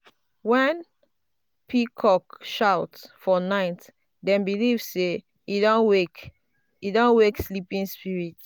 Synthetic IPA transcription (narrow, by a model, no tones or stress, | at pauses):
wɛ̃n | pʰikʰɔkʃaʊtsfɔnaɪt | dɛ̃mbilivse | idõnwek | idõnwekslipĩnspiɹit